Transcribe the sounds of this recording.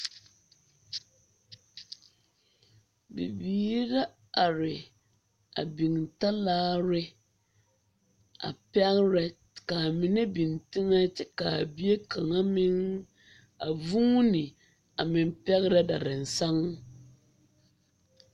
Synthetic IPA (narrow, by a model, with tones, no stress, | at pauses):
bḭ˨biː˨˦ɾa˦ | a˨ɾɪ˨ | a̰˨bi˨ŋta˦laː˦ɾɪ˦ | a̰˨pɛ˦ɣɾɛ˦ | ka˨mɪ˨nɛ˦bi˨ŋtɪ˦ŋɛ˦t͡ʃɛ˦ka˨bi˦e˦kʰa˨ŋa˦mɪ˦ŋ | a˨vu˦ŋ˦nɪ˨ | a˨mɪ˨m˦pɛ˦ɣɪ˦ɾɛ˦da˨ɾɪ˨n̩˨sa˦ŋ˦